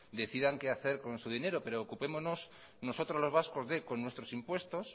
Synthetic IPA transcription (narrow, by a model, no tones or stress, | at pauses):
d̪e̞θiðaŋkeaθe̞ɾko̞nsuð̞ine̞ɾo̞pe̞ɾoːkupe̞mozno̞s | no̞so̞t̪ɾozlo̞zβasko̞zðe̞ko̞nːwe̞st̪ɾo̞simpwe̞st̪o̞s